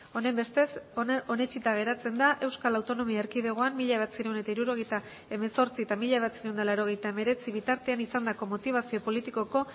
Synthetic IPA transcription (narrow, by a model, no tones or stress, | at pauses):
o̞nejmbe̞st̪e̞so̞ne̞t͡ʃit̪aɣ̞e̞ɾat͡se̞nd̪aʔe̞wskalawt̪o̞no̞miaeɾkiðeɣ̞o̞anmiʎa̞at͡siɾewne̞t̪aiɾuɾo̞ɣ̞ejt̪a | e̞meso̞ɾt͡siet̪amiʎaβ̞at͡siɾewnd̪alaɾo̞ɣe̞jt̪aeme̞ɾe̞t͡siβ̞it̪aɾt̪eanisand̪ako̞mo̞t̪iβ̞asio̞po̞lit̪iko̞ko̞